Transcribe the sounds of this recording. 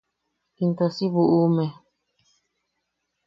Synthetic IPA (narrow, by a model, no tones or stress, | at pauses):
int̪osiβuʔumẽ